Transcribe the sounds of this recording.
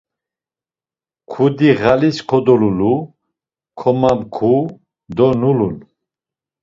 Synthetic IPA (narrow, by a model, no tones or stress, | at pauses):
kʰud̪iʁaliskʰɔd̪ɔlulu | kʰɔmamkʰu | d̪ɔnululu